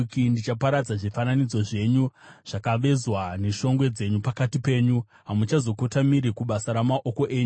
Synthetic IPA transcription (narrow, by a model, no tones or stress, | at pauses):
kindit͡ʃapaɾad͡zaʐifananid͡zo̞ʐe̞ɲuʐ̥akaʋe̞zwane̞ʃo̞ŋɡwe̞d͡ze̞ɲupakatipe̞ːɲu | ɦamut͡ʃazo̞kotamiɾikuɓasaɾamaʔo̞ko̞ʔe̞ːɲu